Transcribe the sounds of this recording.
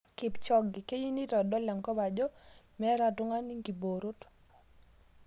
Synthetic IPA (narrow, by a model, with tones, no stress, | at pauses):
kɪ˨pt͡ʃɔ˦ɡɪ˨ke˦ji˦ni˦tɔ˨dɔ˦la˨ŋkɔ˦ba˨d͡ʒo˦mɛ˦ɾa˦tʊ˦ŋa˦ni˦ŋɡi˨bo˨ɾu˦t